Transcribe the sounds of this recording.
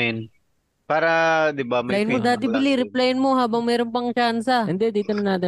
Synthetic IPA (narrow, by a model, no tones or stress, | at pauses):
ɪn | paːɾɐd̪ɪbamɐajɪnmmod̪aːt̪ɪbɪliɾɪplajnmo̞ɦaːbɐŋmɛːɾonpɐŋt͡ʃansɐɪnd̪ɛd̪iːt̪ʊnɐnaːt̪ɪ